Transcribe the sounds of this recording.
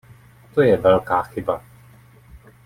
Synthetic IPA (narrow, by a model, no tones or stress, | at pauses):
t̪oːjɛvɛlkaxiba